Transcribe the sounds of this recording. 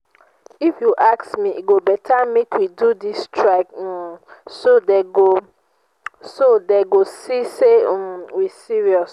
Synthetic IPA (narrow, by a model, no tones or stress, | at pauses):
ifjuʔaksmiḭɡobɛtʰamekʰwidudistʰɹak | sodeɡo | sodeɡosisewisiɹiɔs